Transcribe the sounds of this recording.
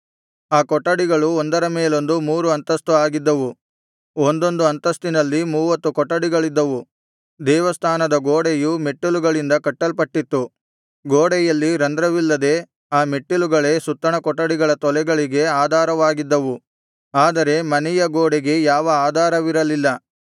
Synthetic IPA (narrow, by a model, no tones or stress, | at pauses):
aːkɔʈːɐɽiɡɐɭuond̪ɐɾɐmeːlo̞nd̪umuːɾuɐnt̪ɐst̪uaːɡid̪ːɐʋu | ond̪o̞nd̪uɐnt̪ɐst̪inɐlːimuːʋɐt̪ːukɔʈːɐɽiɡɐɭid̪ːɐʋu | d̪ɛːʋɐst̪ʰaːnɐd̪ɐɡoːɽɛjumeʈːuluɡɐɭind̪ɐkɐʈːɐlpɐʈːit̪ːu | ɡoːɽɛjɐlːiɾɐnd̪ɾɐʋilːɐd̪e̞ | aːmeʈːuluɡɐɭe̞sut̪ːɐɳɐkɔʈːɐɽiɡɐɭɐt̪ɔlɛɡɐɭiɡe̞aːd̪ʱaːɾɐʋaːɡid̪ːɐʋu | aːd̪ɐɾe̞mɐnɛjɐɡoːɽɛɡe̞jaːʋɐaːd̪ʱaːɾɐʋiɾɐlilːɐ